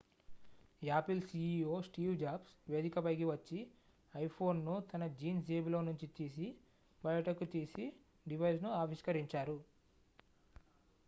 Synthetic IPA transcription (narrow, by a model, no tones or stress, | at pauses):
aːpilsiːoːsʈiːwd͡ʒaːbsʋe̞ːd̪ikɐpɐjkiʋɐt͡ʃːi | ɐjpʰo̞ːnːut̪ɐnɐd͡ʒiːnsd͡ʒeːblo̞ːnuɲt͡ʃit̪iːs̬i | bɐjɐʈɐkut̪iːsi | ɖiʋɐjsnuaːʋiʃkɐɾiɲt͡ʃaːɾu